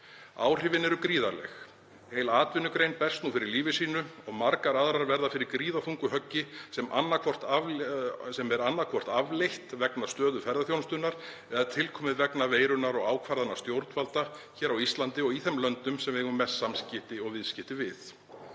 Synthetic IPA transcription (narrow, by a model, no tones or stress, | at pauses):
a̰ːwr̥ɪvɪnɛɾʏkɾiːða̰ɾlɛ̰x | heːjlaːt̪vɪnːʏkɾejnpɛr̥st̪nufɪɾɪɾliːvɪsiːnʏɔɣmaɾkaɾaðɾaɾvɛɾðafɪɾɪɾkɾiːðaθuŋkʏɦœcːɪsɛmʔa̰nːakʰɔr̥t̪avsɛmɛɾanːakʰvɔr̥t̪avlejht̪vɛknḁst̪œːðʏfɛɾðaθjownst̪ʏnːaɾ̥ | ɛːðat̪ʰɪlkʰɔːmɪðvɛknaveːjɾʏnaɾɔɣaːwkʰvaɾðanaɾ̥st̪jowɾt̪nvalt̪açɛːɾawist̪lant̪ɪɔɣiθɛmlœnt̪ʏmsɛmvɛɣʏmːɛsːamscɪt̪ɪɔɣvɪðscɪht̪ɪvɪθ